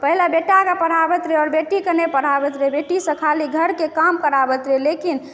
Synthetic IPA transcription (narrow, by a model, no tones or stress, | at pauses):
pəɦilabeʈakəpəɽ̤abət̪ɾeɔːɾbeʈikənepəɽ̤abət̪ɾebeʈisə̃kʰaliɡʱəɾkekamkəɾabət̪ɾelekin